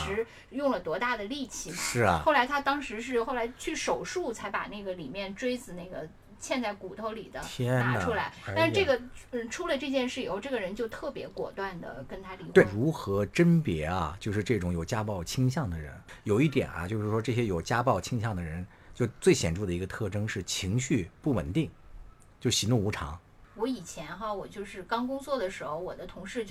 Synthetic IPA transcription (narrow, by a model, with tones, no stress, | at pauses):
ʂɻ̩˧˥ | jʊ˥˩ŋlə˩t̪wɔ˧˥t̪a˥˩d̪ə˩li˥˩t͡ɕʰi˧˩mɐʂɻ̩˥˩xo˥˩ʊla˧˥ɪt̪ʰa˥t̪ɑ˥ŋʂɻ̩˧˥ʂ̬ɻ̩˥˧xo˥˩ʊla˧˥ɪt͡ɕʰy˥˩ʂo˨˩ʊʂu˥˩t͡sʰa˧˥ɪpa̰˨˩na˥˩ɡə˩li˨˩mjɛ˥˧nʈ͡ʂwe˥ɪt͡sɹ̩˨˩na˥˩ɪɡə˩ | t͡ɕʰjɛ˥˧nt͡sa˥˩ɪku˨˩t̪ʰo˧˥ʊli˨˩d̪ə̰˦jɛ˥n˥ʈ͡ʂʰu˥la˧˥ɪta˥˧ʂɻ̩˥˧ʈ͡ʂɤ˥˩ɡə˩˥˩ʈ͡ʂʰu˥lə˨ʈ͡ʂɤ˥˧t͡ɕjɛ˥˧nʂɻ̩˥˩i˨˩xo˥˧ʊʈ͡ʂɤ˥˩ɡə˩ɻə˧˥nt͡ɕjo˥˧ʊt̪ʰɤ˥˩pjɛ̰˧˥kwɔ̰˨˩t̪wa˥˩nd̪ə̰˩kə˥nt̪ʰa˥li˧˥kɻu˧˥xɤ˧˥ʈ͡ʂə˥npjɛ˧˥ɐ̰˧t͡ɕjo˥˧ʊʂɻ̩˥˧ʈ͡ʂɤ˥˩ʈ͡ʂʊ˧˥ŋjo˨˩ʊt͡ɕja˥pɑ˥˩ʊt͡ɕʰi˥ŋɕ̬jɑ˥˩ŋd̪ə˩ɻə̰˧˥njo˨˩ʊi˥˩t̪jɛ̰˨˩nɐ̰˦t͡ɕjo˥˧ʊʂɻ̩˥˩ʂwɔ˥ʈ͡ʂɤ˥˩ɕ̬jɛ˥jo˨˩ʊt͡ɕja˥pɑ˥˩ʊt͡ɕʰi˥ŋɕjɑ˥˩ŋd̪ə˩ɻə˧˥n | t͡ɕjo˥˧ʊt͡swe˥˩ɪɕjɛ̰˨˩nʈ͡ʂu˥˩d̪ə˩i˧˥ɡə˧t̪ʰɤ˥˩ʈ͡ʂɤ˥ŋʂɻ̩˥˩t͡ɕʰi˧˥ŋɕy˥˧pu˥˩wə̰˨˩nt̪i˥˩ŋ | t͡ɕjo˥˩ʊɕi˧˥nu˥˩ŋu˧˥ʈ͡ʂʰɑ̰˧˥ŋ | wɔ˧˥i˨˩t͡ɕʰjɛ˧˥nxa˥˧wɔ˨˩t͡ɕjo˥˧ʊʂɻ̩˥˩kɑ˥ŋkʊ˥ŋt͡swɔ˥˩d̪ə˩ʂɻ̩˧˥xo˧ʊwɔ̰˨˩d̪ə˦t̪ʰʊ˧˥ŋʂɻ̩˥˧t͡ɕ